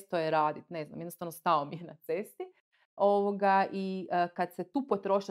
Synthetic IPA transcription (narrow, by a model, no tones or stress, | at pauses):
st̪ojeɾaːd̪it̪ne̞zna̰mjed̪nost̪aʋnost̪aomijenat̪se̞st̪i | o̞ʋoɡaʔiəkad̪set̪uːpo̞t̪ɾo̞ʃi